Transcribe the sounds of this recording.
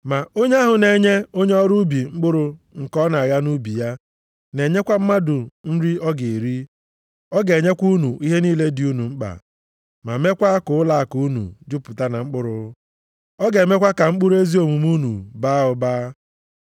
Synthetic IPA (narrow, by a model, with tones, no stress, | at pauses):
ma˨o˦ɲe˦a˦ɦʊ˨ne˨ɲe˦o˦ɲe˦ɔ˦ɾu˦bi˨ŋ͡m̩˦k͡pʊ˦ɾʊ˨ŋ̩˨kɔ˦na˨a˨ɣa˦nu˦bi˨ja˦ | ne˨ɲe˦kʷa˦m̩˦ma˦dʊ˨n̩˦ɾi˦ɔ˦ɡe˨ɾi˦ | ɔ˦ɡe˨ɲe˦kʷu˦nu˨ʔi˦ɦe˦niː˦le˦dɪ˨u˦nu˨ŋ͡m̩˦k͡pa̰˨ | ma̰˨me˦kʷa˦kʊ˨ʊ˦la˦a˨ku˨˦nṵ˨d͡ʒʊ˦pʊ˨ta˦na˨ŋ͡m̩˦k͡pʊ˦ɾʊ˨˦ | ɔ˦ɡe˨me˦kʷa˦ka˨ŋ͡m̩˦k͡pʊ˦ɾe˦zi˦o˨mu˨mu˦nṵ˨baː˦ʊ˨baː˦